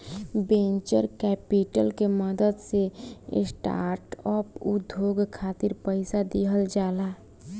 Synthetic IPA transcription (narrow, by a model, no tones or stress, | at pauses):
bẽɲt͡ʃəɾkɛːpiʈəlkeməd̪əd̪sḛsʈa̰ːɾʈɔːpud̪ʱjoːɡkʰaːt̪ɪɾpəɪsad̪iɦəld͡ʒaːlaː